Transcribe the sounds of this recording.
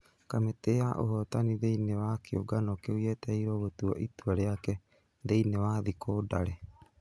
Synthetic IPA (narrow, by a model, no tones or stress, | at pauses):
kamet̪eaʔo̰ɦot̪anidejnewakioɡanokeujet̪eiɾowot̪uo̰ʔit̪uaɾeake | dejnewaðikʰodaɾe